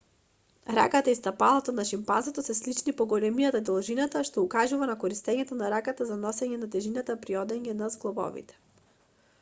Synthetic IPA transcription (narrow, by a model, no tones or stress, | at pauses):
ɾa̰kat̪aist̪apalˠat̪ɔnaʃimpanzɔt̪ɔsɛslit͡ʃnipɔɡɔlɛmijat̪ad̪ɔlˠʒinat̪aʃt̪ɔukaʒuvanakɔɾist̪ɛɲɛt̪ɔnaɾakat̪azanɔsɛɲɛnat̪ɛʒinat̪apɾiɔd̪ɛɲɛnazɡlˠɔbɔ̰vḭt̪ɛ̥